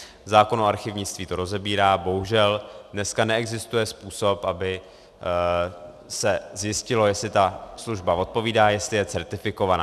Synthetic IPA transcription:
zaːko̞no̞aɾxɪvɲɪt͡st̪viːt̪o̞ɾo̞zɛbiːɾaːbo̞ɦuʒɛldnɛskanɛɛɡzɪst̪ujɛspuːso̞pʔabɪ | sɛzjɪscɪlo̞jɛslɪt̪asluʒbavo̞t̪̚po̞viːdaːjɛst̪lɪjɛt͡sɛɾt̪ɪfɪko̞vanaː

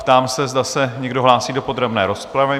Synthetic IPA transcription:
pt̪aːmsɛzdasɛɲɛɡdo̞ɦlaːsiːdo̞po̞d̪ɾɛbnɛːɾo̞spɾavɪ

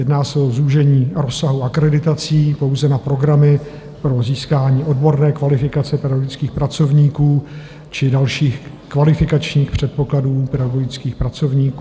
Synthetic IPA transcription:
jɛdnaːsɛo̞zuʒɛɲiːɾosaɦuakɾɛdɪt̪at͡siːpo̞wzɛnapɾo̞ɡɾamɪ | pɾo̞ziːskaːɲiːʔo̞dbo̞ɾnɛːkvalɪfɪkat͡sɛpɛdaɡoɡɪt͡skiːxpɾat͡so̞vɲiːkuː | t͡ʃɪdalʃiːx | kvalɪfɪkat͡ʃɲiːxpr̝̥ɛt̪̚po̞kladuːpɛdaɡo̞ɡɪt͡skiːxpɾat͡so̞vɲiːkː

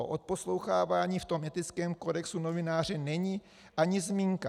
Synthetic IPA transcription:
o̰ʔot̪̚po̞slo̞wxaːvaːɲiːft̪o̞mʔɛt̪ɪt͡skɛːmko̞dɛksuno̞vɪnaːr̝ɛnɛɲiː | ʔaɲɪzmiːŋka̰

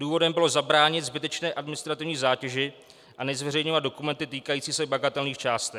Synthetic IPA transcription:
duːvo̞dɛmbɪlo̞zabɾaːɲɪt̪zbɪt̪ɛt͡ʃnɛːʔadmɪnɪst̪ɾat̪ɪvɲiːzaːcɛʒɪ | ʔanɛzvɛrɛjɲovad̪do̞kumɛnt̪ɪt̪iːkajiːt͡siːsɛbaɡat̪ɛlniːxt͡ʃaːst̪ɛ

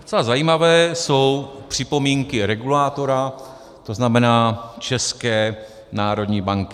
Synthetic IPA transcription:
t͡sɛlazajiːmavɛːso̞wpr̥ɪpo̞miːŋkɪɾɛɡulaːt̪o̞ɾa | t̪o̞znamɛnaːt͡ʃɛskɛː | naːɾo̞d̪ɲiːbaŋkɪ

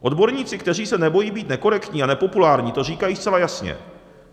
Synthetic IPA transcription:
ʔo̞d̪bo̞ɾɲiːt͡sɪkt̪ɛr̝iːsɛnɛbo̞jiːbiːt̪nɛko̞ɾɛkt̪ɲiːanɛpo̞pulaːɾɲiːt̪o̞r̝iːkajiːst̪t͡sɛlajasɲɛ̰

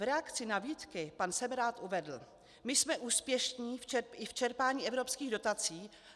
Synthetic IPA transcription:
ɾɛakt͡sɪnaviːt̪kɪpansɛmɾaːt̪ʔuvɛdl̩ | mɪsmɛʔuːspjɛʃɲiːft͡ʃɛɪft͡ʃɛɾpaːɲiːɛvɾo̞pskiːɣdo̞t̪at͡siː

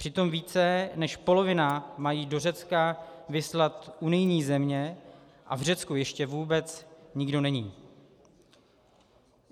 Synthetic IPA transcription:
pr̥ɪt̪o̞mviːt͡sɛnɛʃpo̞lo̞vɪnamajiːdo̞rɛt͡skavɪslat̪ʔunɪjɲiːzɛmɲɛ | ʔa̰vr̝ɛt͡skujɛʃcɛvuːbɛt͡sɲɪɡdo̞nɛɲiː

